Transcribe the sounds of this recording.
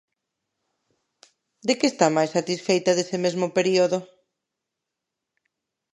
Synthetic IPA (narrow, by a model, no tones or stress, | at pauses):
d̪ɪkeːst̪amajsːat̪isfejt̪ɐðesɪmezmʊpeɾioðʊ